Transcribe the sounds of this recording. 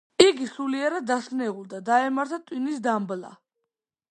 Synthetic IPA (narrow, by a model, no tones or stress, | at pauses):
iɡisuliɛɾad̪ːasnɛuld̪ad̪aɛmaɾt̪ʰat̪ʼwinisd̪ambla̰